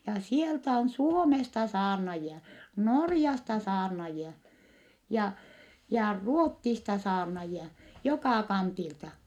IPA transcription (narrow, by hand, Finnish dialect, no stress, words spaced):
jɑ sieltæ on suomestɑ sɑːrnɑjiɑ norjɑstɑ sɑːrnɑjiɑ jɑ jɑ ruotːistɑ sɑːrnɑjiɑ jokɑˑ kɑntiltɑ